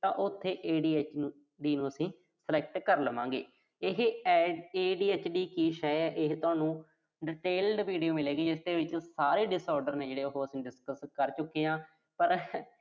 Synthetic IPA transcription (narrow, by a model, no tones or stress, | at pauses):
t̪ãːʔʊt̪ʰːeːʔeːɖiːeːt͡ʃː | ɖiːnũːəsĩː | səlɛːk̚ʈkəɾləʋã̰ːŋɡḛː | ɪɦ | eːɖiːeːt͡ʃɖiːkiːʃɛjɛːʔɪɦt̪ʊaːnũː | ɖɪʈeːlɖʋiːɖijoːmɪleːɡiːd͡ʒɪsd̪eːʋɪt͡ʃsaːɾeːɖɪsɔːɾɖəɾneːd͡ʒeːɽeːoɦoːəsĩːɖɪskəskəɾt͡ʃʊkːeːãː | pəɾ